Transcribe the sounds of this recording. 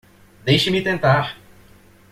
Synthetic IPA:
d̪ejʃɪmit̪ẽnt̪aɾ

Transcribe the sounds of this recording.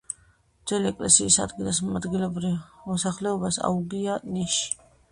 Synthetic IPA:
d̪z̥ɛliɛkʼlɛsiːsa̰d̪ɡilˠasmad̪ɡilɔbɾivmɔsaχlɛɔbasa̰uɡianiʃi̥

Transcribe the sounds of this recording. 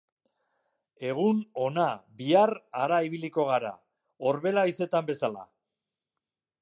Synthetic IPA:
e̞ɣ̞uno̞nabiaraɾaiβ̞iliko̞ɣ̞aɾa̰ | o̞ɾβe̞laise̞t̪ambe̞sala̰

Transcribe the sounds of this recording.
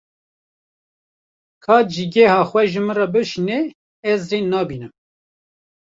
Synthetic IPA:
kʰɑːd͡ʒiɡɛhɑːxwɛʒɨmɨnrɑbɨʃinɛ | ɛzreːnɑːbiːnɨm

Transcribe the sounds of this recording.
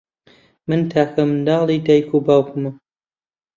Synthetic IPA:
mɨnt̪ʰaːkʰɐmɨnd̪ɑːlˠid̪ɐjkʰubaːwkɨmɨ

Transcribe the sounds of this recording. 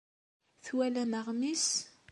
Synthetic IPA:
θwælænəʁmis

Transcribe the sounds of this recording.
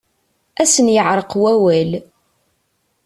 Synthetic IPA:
æsənjəʕɾˤəqwæwæl

